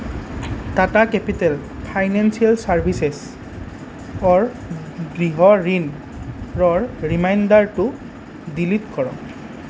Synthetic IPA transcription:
tatakɛpitɛlpʰajnansialsaɹbʱisɛs | ɔɹ | ɡɹiɦɔɹin | ɹɔɹɹimajndaɹtʊ | dilitkɔɹɔ

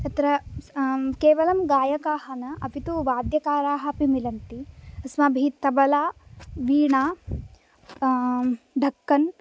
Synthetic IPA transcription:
t̪ɐt̪ɾɐ | keːʋɐlɐmɡaːjɐkaːɦɐnɐʔɐpit̪uʋaːd̪jɐkaːɾaːɦɐːpimilɐnt̪iɐsmɐbʱit̪ɐbɐlaːʋiːɳaː | ɖʱɐkːɐn

